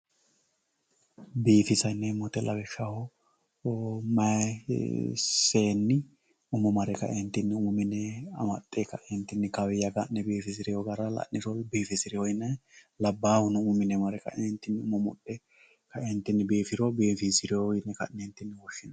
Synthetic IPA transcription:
biːfɪsɐjnːɛmɔt̪ɛlɐbɛʃahɔ | mɐ | seːnːɪ | ʊmɔmɐɾɛkɐ̰ɛnt̪ːɪnːɪʊmʊmɪnɛɐ̰mɐt̪ʼːekɐ̰ʔɛnt̪ːɪnːɪkɐwɛjɐɡɐnːɛbiːfɪsɪɾɪjoɡɐɾɐlɐ̰nːɪɾɔbiːfɪsɪɾɪhɔɪnːɛ | lɐbːaːhʊnɛʊmʊmɪnɛmɐɾɛkɐ̰ɛnt̪ːɪnːɪʊmɔmʊ̰ɗɛ | kɐɛnt̪ːɪnːɪbiːfɪɾɔbiːfɪsɪɾɪoɪnːɛkɐ̰nɛnt̪ːɪnːɪwɔʃːɪnɐ

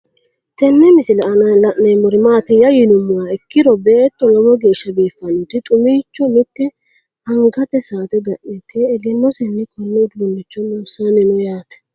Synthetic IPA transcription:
t̪ɛnːɛmɪsɪlɐnɐlɐʔnɐjmɔɾɪmaːt̪ɛjɐjɪnʊmːʊwaːɪkːɪɾɔbeːt̪ːɔlɔwɔɡe̞ːʃːɐbiːfːɐnʊt̪ɪt̪ʼʊmiːt͡ʃːɔmɪt̪ːɛ | ɐŋɡɐt̪ɛsaːt̪ɛɡɐʔːɛt̪ːɛːɡɛnːɔsɛnːɛkʰɔnːɛd̪uːnːɪt͡ʃːɔnɔːsanɛnɔjaːt̪ɛ̥

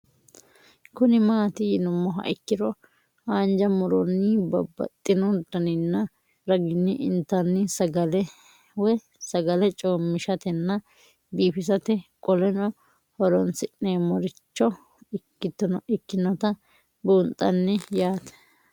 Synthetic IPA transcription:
kʊnɪmaːt̪ɪjɪnʊmːɔɦɐ̰ʔɪkːɪɾɔ | haːnd͡ʒɐmʊɾɔnːɪbɐbːɐ̰t̪ʼːɪnɔd̪ɐnɪnːɐ | ɾɐɡɪnːɪʔɪnt̪ːɐnːɪsɐɡɐlɛ | wɛ | sɐɡɐlɛt͡ʃʼoːmːɪʃɐt̪ɛnːɐ | biːfɪs̬ɐt̪ɛkʼɔlɛnɔ | hɔɾɔnsɪnneːmɔɾɪt͡ʃːɔ | ɪkːɪt̪ːɔnɔʔɪkːɪnɔt̪ɐ | buːnt̪ʼːɐnːɛjaːt̪ɛ̥

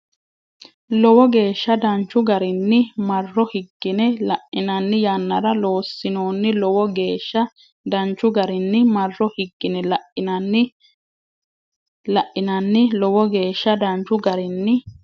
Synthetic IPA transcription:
lɔwɔɡe̞ːʃːɐd̪ɐnt͡ʃːʊɡɐɾɪnːɪmɐrːɔhɪɡːɪnɛlɐʔɪnɐnːɪjanːɐɾɐlo̞ːsːɪno̞ːnːɪlɔwɔɡeːʃːɐ | d̪ɐnt͡ʃːʊɡɐɾɪnːɪmɐrːɔhɪɡːɪnɛlɐn | lɐʔɪnɐnːɪlɔwɔɡe̞ːʃːɐd̪ɐnt͡ʃːʊɡɐɾɪnːɪ

